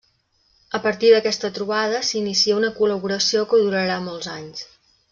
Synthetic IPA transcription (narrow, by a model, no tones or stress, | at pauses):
əpəɾt̪iðəkɛst̪ət̪ɾuβ̞aðəsinisiəunəkuləβuɾəsiokəðuɾəɾamolˠzaɲs